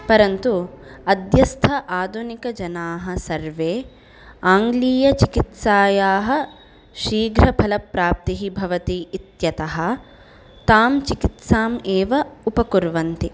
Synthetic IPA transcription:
pɐɾɐnt̪uɐd̪jɐst̪ʰɐʔaːd̪ʱunikɐd͡ʒɐnaːɦɐsɐɾʋeː | aːŋɡliːjɐt͡ʃikit̪saːjaːɦɐ̆ | ʃiːɡɾɐpʰɐlɐpɾaːp̚t̪iɦibʱɐʋɐt̪iːit̪jɐt̪ɐɦɐ̆ | t̪aːmt͡ʃikit̪saːmeːʋɐupɐkuɾʋɐnt̪i

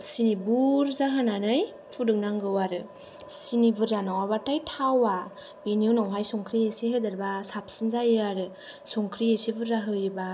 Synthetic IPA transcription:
sinibuɾzaɦɯnanɯj | pʰudɯŋ̚naŋɡɯwaɾɯ | sinibɯɾzanawaβatajtʰawa | benijunɔŋɦajsɔŋkʰɾiesiɦɯdaɾbasap̚sinzajɯaɾɯ | sɔŋkʰɾiesibɯɾːaɦɯjɯba

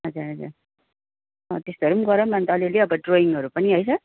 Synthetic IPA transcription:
ɦʌd͡zuɾɦʌd͡zuɾ | ʌt̪est̪oɦɾumɡʌɾʌmant̪ʌlileʌbʌɖroiŋʌɾupʌniɦʌjsʰʌ

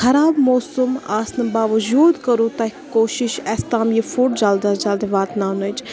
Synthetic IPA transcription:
xɐɾaːbmoːsuma̰ːsnɐbaːʋɐd͡ʒuːd̪kɐɾut̪akkːoːʃɪʃɛːst̪aːmjifuːʈd͡ʒaːld̪ad͡ʒaːld̪eʋaːt̪naːnɐt͡ʃ

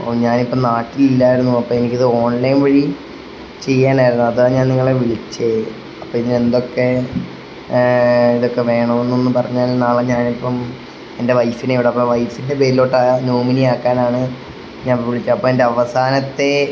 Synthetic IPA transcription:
ɲaːnipːɐmnaːʈːililːaːjiɾunːuɐpːoːe̞nikʲːɐðɨo̞ːnlɐjnʋɐɻi | t͡ɕe̞jːaːnaːiɾunːuɐðaːɲaːnniŋːɐɭeʋiɭit͡ɕːe | ɐpːoiðe̞nd̪o̞kːe̞ | iðokːe̞ʋe̞ːɳɐmenːo̞nːɨpɐrɐɲːaːlnaːɭeɲaːnipːɐm | ende̞ʋɐjfineiʋiɽeɐpːoːʋɐjfinde̞beːɾilo̞ːʈːanoːminiaːkːaːnaːɳɨ | ɲaːnʋiɭit͡ɕːɨɐpːoːendeɐʋɐsaːnɐt̪ːe̞

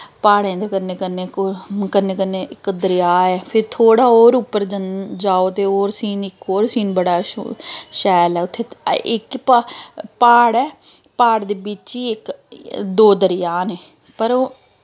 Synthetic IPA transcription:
paːɽẽːd̪eːkəɾneːkəɾneːkːkəneːkəneːɪkd̪əɾɪjaːɛːpʰɪɾt̪ʰoːɽaːoːɾʊpːəɾd͡ʒənd͡ʒaːoːt̪eːoːɾsiːnɪkoːɾsiːnbəɽa̰ː | ʃɛːlɛːʊt̪ʰːeːɪkppaːɽɛː | paːɽd̪eːbɪt͡ʃiːɪkd̪oːd̪əɾɪjaːneː | pəɾoː

